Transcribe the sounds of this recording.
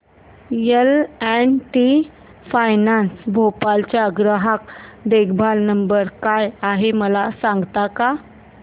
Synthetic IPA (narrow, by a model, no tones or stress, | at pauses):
jəlɛnʈi | fajnansbʱopalt͡ɕjaəɡɾəɦakd̪eɡbʱalnəmbəɾkajaɦeməlasãŋɡt̪aka